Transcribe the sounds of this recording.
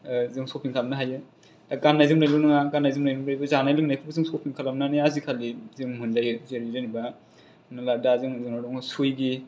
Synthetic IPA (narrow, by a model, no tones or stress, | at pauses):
zɯŋskopʰiŋkʰalmnaɦajɯ | taɡanːajzɯmlajlɯnɯŋaɡanːajzɯmnajnɯmlajbazanajlɯŋnajkʰɯbazɯŋskopʰiŋkʰalamnaniazikʰalizɯŋmundajzeɾiɾeniba | naladazɯŋzɯŋnadɔŋsujɡi